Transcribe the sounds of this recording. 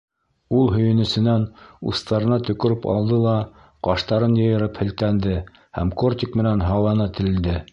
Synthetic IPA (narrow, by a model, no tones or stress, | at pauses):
ulˠɦɵ̆jɘ̆nɵ̆sɘ̆nænṵst̪ɑɾɤ̆nɑt̪ɵ̆kɵ̆ɾɘpɑ̰lˠd̪ɤlˠɑ | qɑʃt̪ɑɾɤnjɤ̆jɤ̆ɾɤphɘ̆lt̪ænd̪ɘ | hæ̰mkort̪ʲikmɘ̆nænɦɑlˠɑnɑt̪ɘ̆lɘ̆ld̪ɘ